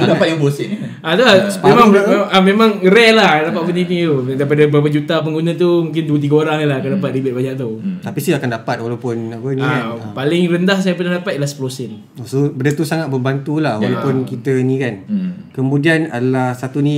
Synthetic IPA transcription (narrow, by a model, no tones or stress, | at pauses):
dapat̪japlosi | at̪uasəpmẽmaamemãŋɾɛlahdapat̪̚pəninit̪udaipadabapəd͡ʒut̪ap̬əŋɡunət̪umũŋk̬ɪnd̪uət̪̬iɡaoɾaŋnilaakandapat̪̚ɾibɪt̪̚baɲaʔt̪̬ut̪apisijakandapat̪̚walawpʊnapəniaapalɪŋrəndahs̬ajap̬ənahdapat̪̚ilasə̥pəlosɪn | osubədət̪usaŋat̪̚bəmbant̪ulahwalawpʊnkit̪ənĩkankəmũdianadəlahsat̪unĩ